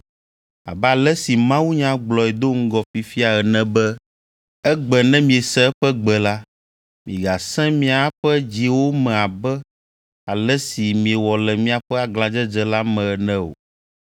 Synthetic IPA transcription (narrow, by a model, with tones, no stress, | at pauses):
a̰˨bɛ˦a˨lɛ˦si˨mã˦wu˦ɲã˦ɡ͡blɔ˨ɛ˨d̪o˦ŋ̩˦ɡɔ˨fi˨fi˦a˨ɛ˨nɛ̃˨bɛ˦ | ɛ˦ɡ͡bɛ˨nɛ̃˦mĩ˨e˨sɛ˦ɸɛ˦ɡ͡bɛ˨la˦ | mĩ˨ɡa˨sɛ̃˦mĩ˦a˨˦ɸɛ˦d͡ʑi˦wo˦mɛ̃˨a˨bɛ˦ | a˨lɛ˦si˨mĩ˨ɛ˨wɔ˨lɛ˨mĩ˦a˨ɸɛ˦a˨ɡlã˨d͡ʒɛ˦d͡ʒɛ˨la˦mɛ̃˨ɛ˨nɛ̃˦o̰˨